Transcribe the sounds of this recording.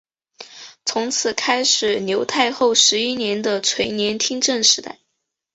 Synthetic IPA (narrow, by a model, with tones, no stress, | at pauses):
t͡sʰʊ˧˥ŋt͡sʰɹ̩˨˩kʰa˥ɪʂɻ̩˨˩njo˧˥ʊt̪ʰa˥˧ɪxo˥˩ʊʂɻ̩˧˥i˥njɛ˧˥nd̪ə˧t͡sʰwe˧˥ɪnjɛ˧˥nt̪ʰi˥ŋʈ͡ʂə˥˩nʂɻ̩˧˥t̪a̰˥˩ɪ